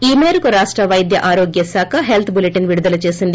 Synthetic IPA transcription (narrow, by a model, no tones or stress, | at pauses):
iːmeːɾukuɾaːʂʈɾɐʋɐjd̪ʱjɐ̰ʔaːɾoːɡjɐsaːkʰɐɦelt̪ʰbuleʈiŋʋiɽud̪ɐlɐt͡ʃe̞ːsind̪i